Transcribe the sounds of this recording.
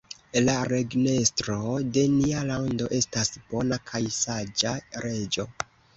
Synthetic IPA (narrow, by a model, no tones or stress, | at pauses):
laɾe̞ɡne̞stɾo̞de̞nialawndo̞ʔe̞stasb̥o̞nakʰajsad͡ʒaɾe̞d͡ʒo̞